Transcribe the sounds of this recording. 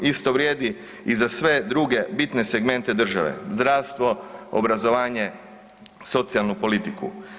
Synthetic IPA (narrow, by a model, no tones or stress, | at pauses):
ist̪oʋɾjeːd̪i | izasʋe̞d̪ɾuɡe̞bit̪ne̞se̞ɡme̞nt̪e̞d̪r̩ʒaʋḛzd̪ɾaːʋst̪ʋo̞o̰bɾazo̞ʋaːɲe̞ | so̞t̪sialˠnupo̞lit̪ikṵ